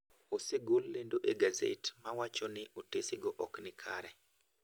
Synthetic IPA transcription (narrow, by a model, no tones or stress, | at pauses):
oseɡolːendoʔeɡazḛtmawat͡ʃonɪʔotesɪɡɔʔɔknɪkʰaɾɛ